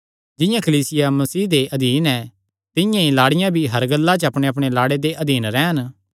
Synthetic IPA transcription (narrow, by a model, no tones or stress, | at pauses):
d͡ʒɪ̃jãkʰɐliːsɪjamɐsiːd̪eʔɐd̪iːnɛ | t̪ɪ̃jãilaːɽɪjãbʱiɦɐɾɡɐlːat͡ʃəɐpɽ̃eɐpɽ̃elaːɽed̪eʔɐd̪iːnɾɛːɦən